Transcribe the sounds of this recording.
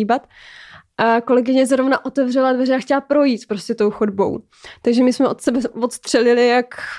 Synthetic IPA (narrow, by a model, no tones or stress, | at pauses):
ibat̪ | ʔko̞lɛɡɪɲɛzɾo̞vnaʔo̞t̪ɛvrɛladvɛrɛaxcɛlapɾo̞jiːt̪pɾo̞scɛt̪o̞wxodbo̞̰w | t̪aɡʒɛmɪsmɛʔot̪sɛbɛvot̪st̪r̥ɛlɪlɪjak